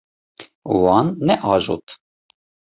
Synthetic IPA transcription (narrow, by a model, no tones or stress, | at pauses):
wɑːnːɛʔɑːʒṵt̪